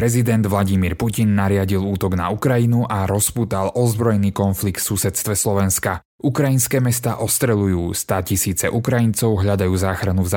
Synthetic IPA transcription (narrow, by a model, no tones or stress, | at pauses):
ɾɛzid̪ɛnd̪ʋlaɟimiːɾpucinːaɾɪaɟiluːt̪ɔɡna̰ukɾajinuʔaɾɔspuːt̪alɔzbɾɔjniːkɔnflikt̪fsusɛt̪st̪ʋɛslɔʋɛnska | ukɾajinskɛːmɛst̪aːʔɔst̪ɾɛlujuːst̪aːcisiːt͡sɛʔukɾajint͡sɔʊɦʎad̪ajuːzaːxɾanuvz